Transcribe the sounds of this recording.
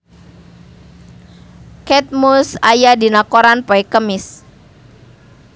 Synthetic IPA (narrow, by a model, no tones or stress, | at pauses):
kɛt̪̚musajadinakoɾanpoikəmɪs